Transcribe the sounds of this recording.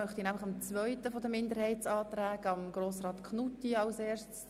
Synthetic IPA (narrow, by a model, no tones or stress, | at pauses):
œχt̪inæmlɪχɑmt͡svœʏtəfɔd̪əmɪndəɾhɛɪt͡sɑːt̪ɾæːɡəɑmɡ̥ɾoːsrɑːt̪kʰnutiɑlseːʃts